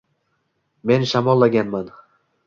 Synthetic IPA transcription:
me̞nʃamɒlˠːaɡʲanman

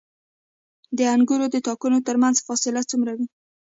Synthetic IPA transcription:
d̪əaŋɡuɾod̪ət̪ɑkunot̪əɾmanzfɑsɪlat͡sumɾawi

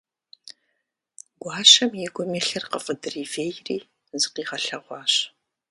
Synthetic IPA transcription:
ɡ̥ʷɑːɕɐmjɪɡʷʊmeːɬɐrqəfʼədɨriːveːjriː | zɨqiːʁɐɬɐʁʷɑːɕ

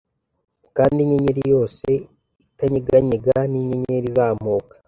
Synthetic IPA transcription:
kaːndiɲeɲeɾijo̞ːse̞ | itaɲiɡaɲeɡaniɲeɲeɾizaːmoːkḁ

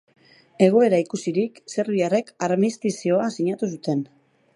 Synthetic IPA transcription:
e̞ɣ̞o̞e̞ɾaikusiɾikse̞rβiare̞kaɾmist̪isio̞asiɲat̪us̬ut̪e̞n

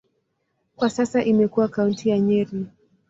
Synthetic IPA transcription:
kwasasaʔimɛkuwakauntʰijaɲɛɾi

